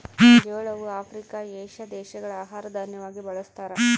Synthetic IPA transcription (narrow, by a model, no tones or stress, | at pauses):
eːɭɐʋuaːpʰɾikaeːʃɐd̪ɛːʃɐɡɐɭaːɦaːɾɐd̪ʱanjɐʋaːɡibɐɭɐst̪aːɾe